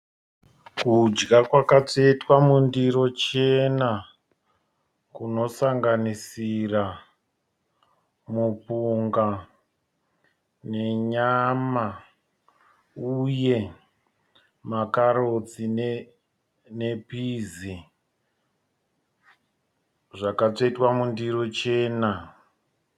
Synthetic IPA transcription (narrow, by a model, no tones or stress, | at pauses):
kud͡ʒɡakwakat͡setwamundiro̞t͡ʃe̞na | kuno̞saŋɡanisira | mupuŋɡa | ne̞ɲama | uje̞ | makaɾot͡sin | ne̞pizi | ʐakat͡ʂoitwamundiɾot͡ʃe̞ːna